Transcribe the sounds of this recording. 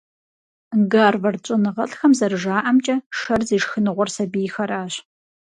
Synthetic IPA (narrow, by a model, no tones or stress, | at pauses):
ɡaːrvɐrt͡ʃʼɪnɨʁɐɬxɐmzɐrɨʒaːʔɐmt͡ʃʼɐʂɐrzeːʂxɨnɨʁʷɔrsɐbiːxɐɾaːɕ